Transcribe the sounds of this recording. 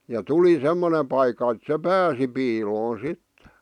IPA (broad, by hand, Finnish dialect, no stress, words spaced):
jɑ tuli semːone pɑikːɑ et se pæːsi piːloːn̞ sitːe